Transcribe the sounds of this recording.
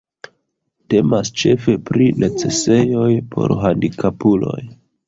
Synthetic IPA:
te̞mast͡ʃe̞fe̞pɾinʔe̞t͡se̞se̞jo̞jpʰo̞̰ɾɦandikʰapulo̞̰j

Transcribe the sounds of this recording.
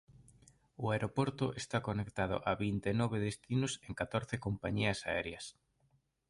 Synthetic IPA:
ʊaeɾopoɾt̪ʊʔest̪akonekt̪að̞ʊ̰ʔaβint̪enɔβeðest̪inʊseŋkat̪oɾθekompaɲiɐsa̰ɛ̰ɾjɐs

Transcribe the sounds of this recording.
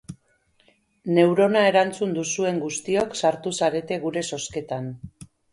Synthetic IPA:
ne̞wɾo̞nae̞ɾant͡sund̪usue̞ŋɡust̪io̞ksaɾt̪usaɾe̞t̪e̞ɣuɾe̞so̞ske̞t̪an

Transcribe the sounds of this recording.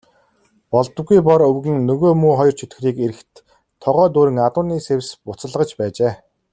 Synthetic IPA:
pɔɮt̪ə̆ɡujpɔɾɵwɣɘ̆ŋnɵɣoːmuːχɔjɞ̆r̥t͡ɕʰɵt̪x̆riːkeɾɘ̆xt̪ʰː | ɔʁœːt̪̬uːɾɘ̆ŋat̪ʊːniːsewʲspʊt͡sə̆ɮʁə̆t͡ɕpæːt͡ɕeː

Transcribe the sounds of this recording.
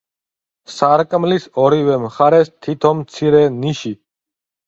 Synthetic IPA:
saɾkʼmlisɔɾivɛmχaɾɛst̪ʰit̪ʰɔmt̪sʰiɾɛniʃi

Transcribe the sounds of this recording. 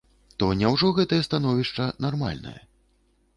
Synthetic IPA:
t̪ɔnʲɛwʐɔɣɛt̪ɐjɐst̪anɔvʲiʂt͡ʂɐnarma̰lʲnɐ̰jɐ̰

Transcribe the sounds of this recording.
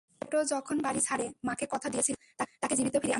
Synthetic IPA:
oʈod͡ʑɔkʰonbaɽit͡ɕʰaɽemãkekɔt̪ʰad̪iet͡ɕʰilt̪at̪aked͡ʑibit̪ofiɾea

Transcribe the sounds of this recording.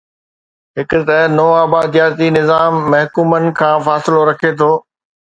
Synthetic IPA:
ɦɪkʊt̪ɐnoːaːbaːd̪jaːɾt̪inɪzaːmːɐɦkuːmənɪ̆kʰãːfaːsɪloɾɐkʰet̪ʰoː

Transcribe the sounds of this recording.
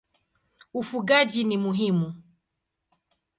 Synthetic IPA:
ufuɡad͡ʒinimuɦimu

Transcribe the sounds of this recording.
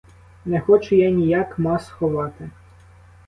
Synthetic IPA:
nɛxɔt͡ʃʊjɑnʲijakmɑsxɔʋɑt̪ɪ

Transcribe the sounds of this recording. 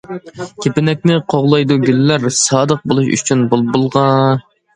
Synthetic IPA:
kʲʰepɪnɛk̚ʲnɪqʰoʁlˠɑjd̪uɡʲylːæɾsɑːd̪əq̚bolˠuʃy̰t͡ʃʰynbolˠbolˠʁɑ

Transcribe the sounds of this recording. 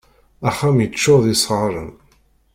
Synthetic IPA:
æχːæmjət͡ʃːʊðisˤʁɾˤə̰n

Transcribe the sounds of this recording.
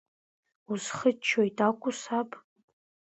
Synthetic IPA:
uzχət͡ʃʰːojtʰʼakʷʼʊsapʼ

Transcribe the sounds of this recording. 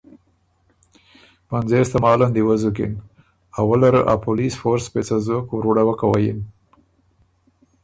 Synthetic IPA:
panzest̪amɑland̪iwazuk̬ḭn | awəlaɾəʔa̰polisfoɾspet͡sazokwɾuɽawakawajin

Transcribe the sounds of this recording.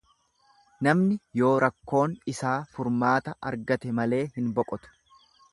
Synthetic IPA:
nɐmnɪjo̞ːɾɐkːo̞ːnɪsaːfʊɾmaːt̪ɐʔɐ̰ɾɡɐt̪ɛmɐle̞ːhɪnbɔkʼɔt̪ʊ̥

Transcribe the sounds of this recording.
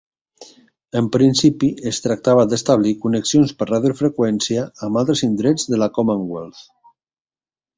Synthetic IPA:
əmpɾinsipiest̪ɾak̚t̪aβad̪est̪aβ̞likuneksionspəraðjofɾekwɛnsiaːmalˠt̪ɾəzind̪ɾed͡zðəlakomãŋɡwelθ

